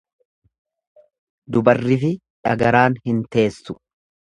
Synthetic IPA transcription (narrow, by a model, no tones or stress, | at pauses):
d̪ʊbɐrːɪfɪ | ᶑɐɡɐɾaːnhɪnt̪e̞ːsːʊ̥